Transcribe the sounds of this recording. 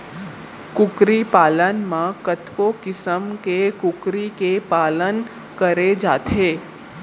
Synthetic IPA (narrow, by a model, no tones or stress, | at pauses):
kʊkɾipaːlənmãkət̪ʰkõkɪsəmkekʊkɾikepaːlən | kəɾed͡ʒa̰ːt̪eː